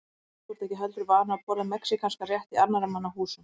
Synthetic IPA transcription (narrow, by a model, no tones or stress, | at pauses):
uɾt̪ɛhcɪɦœlt̪ɾʏɾvaːɾnapɔːɾaðmɛksikʰanskarjɛht̪iaɾnaɾamːanːaɦuːsʏm